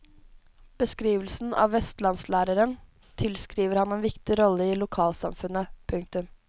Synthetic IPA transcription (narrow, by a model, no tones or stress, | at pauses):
b̥əskɾiːʋəlsn̩ʔɑ̰ːʋʋɛst̪lɑnslæːɾəɾən | t̪ʰɪlskɾiːʋəɾhɑneːnʋɪkt̪ɪɾɔlːəiːlʊkʰɑːlsɑ̰mfʉnəpʰʉŋk̚t̪ʉm